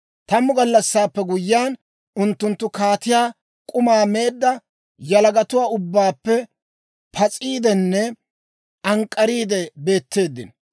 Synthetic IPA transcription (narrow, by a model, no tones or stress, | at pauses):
t̪ɐmʊɡɐlːɐsːaːpːɛɡʊjːɪaːn | ʊnt̪ːʊnt̪ːʊkaːt̪ɪjaː | kʼʊmaːme̞ːd̪ːɐ | jɐlɐɡɐt̪ʊwaːʊbːaːpːɛ | pʰɐt͡sʼiːd̪ɛnːɛ | ʔɐŋkʼːɐɾiːd̪ɛbe̞ːt̪ːe̞ːd̪ːɪ̰n